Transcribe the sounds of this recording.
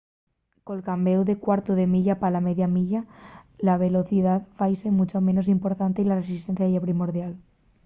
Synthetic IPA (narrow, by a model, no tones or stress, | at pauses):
kolkambewðekwaɾt̪oðemiʎapalameðjamiʎalaβ̞e̞lo̞θið̞aðfajsemut͡ʃomẽ̞nosimpoɾt̪ant̪eilaresist̪en̟θjaðeʝapɾimoɾðjal